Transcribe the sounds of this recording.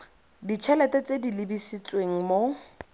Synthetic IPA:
dit͡ʃʰɛlɛtɛt͡sʼedilibisit͡sʼweŋ̩mo

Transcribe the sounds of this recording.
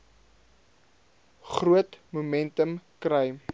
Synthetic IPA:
χruətmumɛntəmkrɐj

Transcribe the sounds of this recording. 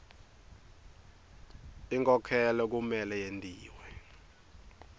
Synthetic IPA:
iŋkʼɔkʰɛlɔk̬umɛlɛjentʼiːwɛ

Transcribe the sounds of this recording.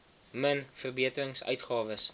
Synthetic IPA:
mənfərbiətərəŋsœ̰ɥtχɑːvəs

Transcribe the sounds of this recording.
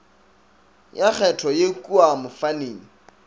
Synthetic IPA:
jak͡xʰɛtʰɔjekʼuamʊfaneːŋ̩

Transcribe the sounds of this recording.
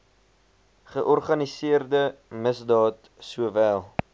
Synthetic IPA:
χəʔɔrχɐnisiərdəməsdɑːt | suəvæːlˠ

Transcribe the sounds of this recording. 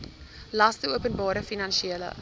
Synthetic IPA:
lɐstəuəpənbɑːɾəfinɐnʃiiələ̰

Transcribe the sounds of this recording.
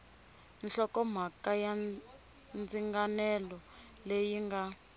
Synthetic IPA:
nɬɔkɔm̤akaja | nd͡ziŋɡanɛlɔ | lejiŋɡa

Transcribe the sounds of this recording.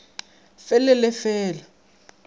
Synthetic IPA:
fɛlɛlɛfɛːla

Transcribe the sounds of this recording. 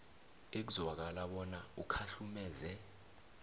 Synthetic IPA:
ek̬uzwak̬alaɓɔnaukʰaɬumɛːzɛ

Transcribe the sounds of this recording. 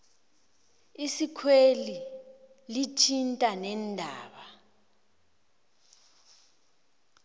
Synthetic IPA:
isikʰweli | litʰintʼanɛndʱaːɓa

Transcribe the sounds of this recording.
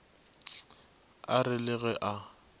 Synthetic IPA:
arɪlɪɣɛʔa

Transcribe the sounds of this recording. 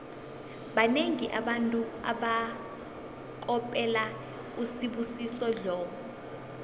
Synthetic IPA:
ɓaneŋiʔaɓantʼua̰ɓa | k̬ʼɔpʼɛla | usiɓusisɔɮɔːkɔ

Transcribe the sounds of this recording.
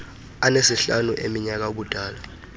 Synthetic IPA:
anesiɬanuʔemiɲak̬auɓud̥ʱaːla

